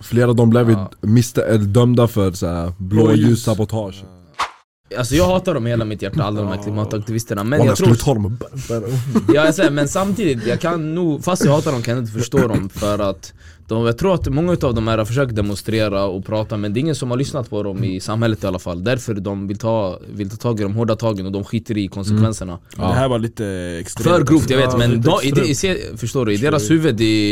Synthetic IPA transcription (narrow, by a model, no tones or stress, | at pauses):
fleːɾavd̪ɔmblɛvmɪst̪ɛld̪œmd̪afœɾsæɾblojʉːsabɔt̪ʰɑːʂ | alsɔjɑːɡhɑːt̪aɖɔmheːlamɪt̪jæʈːaald̪ɾɔmɛɾkʰlɪmɑːt̪ak̚t̪ɪvɪst̪əɳamɛnjɑɡt̪ʰɾt̪ʰɑːd̪ɔmbjɑːjasɛəmɛnsamt̪ʰiːd̪ɪt̪jɑɡkʰanːuːɡfast̪jɑɡhɑːt̪ad̪ɔmjkʰanjaɪt̪əfœʂʈoːd̪ɔmfœɾat̪ | d̪ɔjɑːɡt̪ʰɾuːɾat̪mɔŋːaʉ̟t̪ɑːvd̪ɔmhæːɾhaɾfœʂ̬øːk̚t̪̚d̪ɛmʊnst̪ɾeːɾaɔpʰɾɑːt̪amɛnd̪ɛɪŋːənsɔmhaɾɭʏsnat̪pʰɔd̪ɔmɪsamhɛlːət̪ɪalːafa̰lːd̪æɾfœɾd̪ɔmvɪlt̪ʰɑːvɪlt̪ʰɑːt̪ʰɑːɡɪd̪ɔmɦoːɖat̪ʰɑːɡənɔd̪ɔmɧiːt̪ːəɾɪkʰɔnsɛkʰvɛnsəɳa̰ | d̪hæːɾvaliːt̪əɛksfœɾɡɾuːft̪jaɡveːt̪mɛnɔɪd̪sefœʂtoːɖɵɪd̪eːɾashʉ̟ːvəd̪ɪ